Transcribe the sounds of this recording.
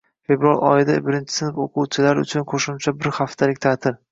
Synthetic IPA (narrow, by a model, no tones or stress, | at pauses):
fe̞bɾalɒ̰jɪd̪abɪɾɪnt͡ʃʰɪ̥sɪnɪpoquwt͡ʃʰɪlaɾʊ̰t͡ʃʰʊnqʰoʃʊmt͡ʃʰabɪɾhaft̪ʰalɪk̚ʲt̪ʰat̪ʰɪɾ